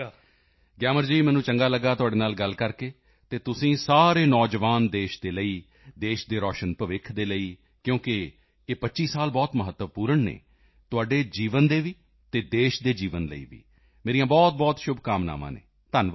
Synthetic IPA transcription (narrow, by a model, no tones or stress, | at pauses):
ɡjaːməɾd͡ʒiːmɛ̃ːnũːt͡ʃəŋɡaːləɡaːt̪ʊaːɖeːnaːlɡəlkəɾkeː | t̪eːt̪ʊsĩːsaːɾeːnɔːd͡ʒʋaːnd̪eːʃd̪eːləiː | d̪eːʃd̪eːɾɔːʃənpəʋɪkʰd̪eːləiː | kjõːkɪ | eːpətːʃiːsaːlbɔːt̪məɦət̪ːəʋpuːɾəɳnḛː | t̪ʊaːɖeːd͡ʒiːʋənd̪eːʋiː | t̪eːd̪eːʃd̪eːd͡ʒiːʋənlə̰ḭːʋḭː | meːɾijãːbɔːt̪̚bɔːt̪ʃʊbkaːmna̰ːmã̰ːnḛː | t̪ənʋ